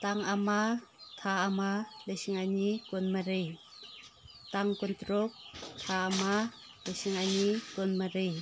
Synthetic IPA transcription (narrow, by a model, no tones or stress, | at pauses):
t̪aŋamat̪ʰaamalesiŋanikonmaɾɯj | taŋkont̪ɾok̚tʰaama | lesiŋanikonmaɾɯj